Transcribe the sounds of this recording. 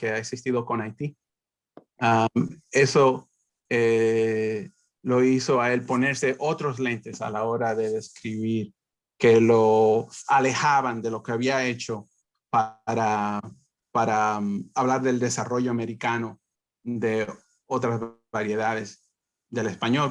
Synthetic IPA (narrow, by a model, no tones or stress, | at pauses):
ke̞aeksist̪iðo̞ko̞najt̪i | ae̞so̞ | e | lo̞iso̞aelpo̞ne̞ɾse̞ʔo̞t̪ɾo̞slẽ̞nt̪e̞sa̰lao̞ɾaðe̞ðe̞skɾiβiɾ | ke̞loale̞xaβand̪e̞lo̞keaβiae̞t͡ʃo̞ | paɾa | paɾaaβlaɾðe̞ld̪e̞saro̞ʝo̞ame̞ɾikano̞ | d̪e̞ | o̞t̪ɾaz | βaɾje̞ðaðe̞s | ðe̞le̞spaɲo̞l